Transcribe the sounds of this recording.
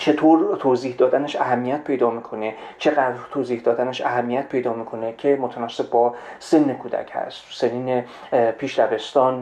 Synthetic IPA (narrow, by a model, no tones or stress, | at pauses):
t͡ʃʰe̞t̪ʰoːɾt̪ʰoːziːhd̪ɒːd̪æneʃæɦæmːijæt̪̚pʰe̞jd̪ɒːmiːkʰo̞net͡ʃʰe̞ɣæd̪ɾt̪ʰoːziːhd̪ɒːd̪æneʃæɦæmːijæt̪̚pʰe̞jd̪ɒːmiːkʰo̞necʰemot̪ʰænɒsːe̞b̚bɒːsenːekʰuːd̪æ̰cʰhæ̰st̪seniːne | pʰiːʃɾæve̞st̪ɒːn